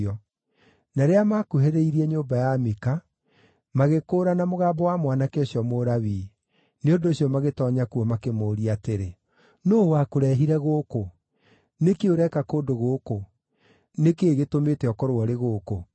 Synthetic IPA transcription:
ɔ | naɾeamakuɦeɾeiɾiɛɲoːmbajameka | maɣekoːɾanamoɣaːbɔwamwanakeoɕjɔmoɾaβiː | neondoːɕjɔmaɣetɔɲakuɔmakemoːɾiateɾe | noːwakoɾɛɦiɾɛɣoko | nekeoɾɛkakoːdoɣoko | nekeːɣetomeːtɛɔkɔɾoɔɾeɣoːko

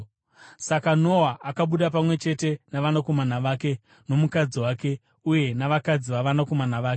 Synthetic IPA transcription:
sakano̞ɦaʔːkaɓuɗap̬amwe̞t͡ʃe̞te̞naʋanako̞manaʋaːke̞ | no̞mukad͡ziwaːke̞ | uje̞naʋakad͡ziʋaʋanako̞manaʋaːke

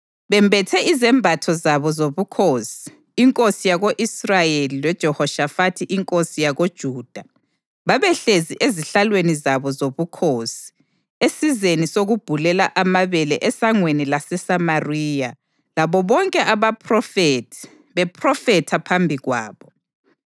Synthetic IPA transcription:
βɛmbʱɛtʰɛʔizɛmbʱatʰɔzaβɔzoβukʰosi̥ː | ŋkʼosijaɣoʔisrajelilwɛd̥ʒ̥ʱɔhɔʃafatʰiʔiŋkʼosijaɣod̥ʒ̥ʱuːd̥ʱa | βaβɛɬeziʔeziɬalwenizaβɔzoβukʰoːsi̥ | esizenisoɣub̥ʱulɛlaʔamaβɛlɛʔɛsaŋwenilasɛsamariːja | laβɔβɔŋkʼɛʔaβapʰrɔfetʰi̥ | βɛpʰrɔfɛtʰapʰambʱiɣwa̰ːβɔ

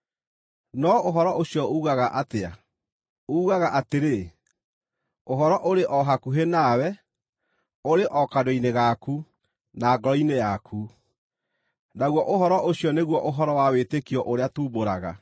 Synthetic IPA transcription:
nɔoɦɔɾɔʔoɕjɔouɣaɣaʔatea | ouɣaɣaʔateɾe | oɦɔɾɔʔoɾeʔɔɦakuɦenawɛ | oɾeʔɔkadoineɣaku | naːɡɔɾɔinejakʰu | naɣwɔʔoɦɔɾɔʔoɕjɔneɣwɔʔoɦɔɾɔwawetekiɔʔoɾeatuːboɾaɣa̰

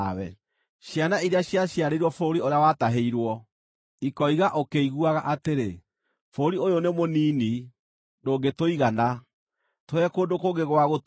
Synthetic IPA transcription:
wɛ̰ | ɕjanaiɾeaɕjaɕjaɾeɾwɔfoːɾioɾeawataɦeiɾwɔ | ikɔiɣaʔokeiɣuaɣaʔateɾe | foːɾiojonemonini | ndoːɡetoiɣana | toɛkoːndokoɡeɣowaɣo

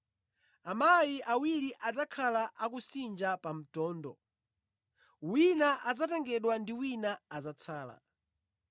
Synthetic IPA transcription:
amajiʔawiɾiʔad͡zakʰalaʔakusind͡ʒapam̩tɔːndɔ̰ | winaʔad͡zatɛŋɡɛɗwandiwinaːzat͡sʰaːla̰

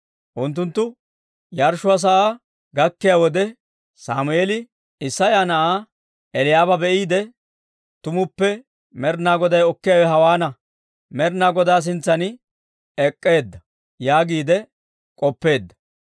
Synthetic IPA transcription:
ʔʊnt̪̬ːʊnt̪ːʊ | jɐɾʃʊɐs̬ɐʔa | ɡɐkːɪjaːwɔd̪ɛ | saːmʊeːlɪ | ɪsːɐjaːnɐʔaː | ɛlɪjaːbɐbɛʔiːd̪ɛ | t̪ʊmʊpːɛ | mɛɾnaːɡɔd̪ɐjɔkːɪjaːwɛɦɐwaːnɐ | mɛɾnaːɡɔd̪aːs̬ɪnt͡sːɐnɪ | ɛkʼːe̞ːd̪ːɐ | jaːɡiːd̪ɛ | kʼɔpːe̞ːd̪ːɐ̥

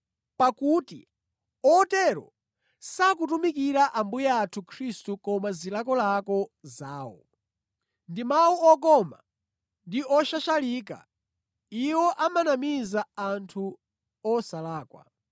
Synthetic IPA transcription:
pakutḭ | ɔtɛɾɔ̰ | sakutumikiɾaʔambujaatʰukʰɾistukɔmazilakɔlakɔzaːwɔ̰ | ndimawuɔk̬ɔma̰ | ndiɔʃaʃaliːka̰ | iwɔʔamanamizaantʰu | ɔsalaːkwa̰

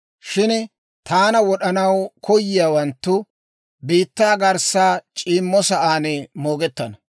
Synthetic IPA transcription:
ʃɪn | t̪aːnɐwɔɗɐnɐwkɔjːɪjaːwɐnt̪ːʊ | biːt̪ːaːɡɐɾsaːt͡ʃʼiːmːɔsɐʔaːnɛmo̞ːɡɛt̪ːɐnɐ

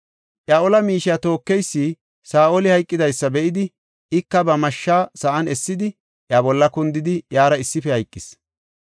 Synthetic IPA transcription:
ʔjaʔɔlɐmiːʃɪjaːt̪o̞ːkːɛjsːiː | saːʔolɪhɐjkʼːɪd̪ɐjsːɐbɛʔɪd̪ɪ | ɪkːɐbɐmɐʃːaːsɐʔɐnɛsːɪd̪ɪ | ʔjabɔlːɐkʊnd̪ɪd̪ɪjaːɾɐɪsːɪfɛhɐjkʼːɪs

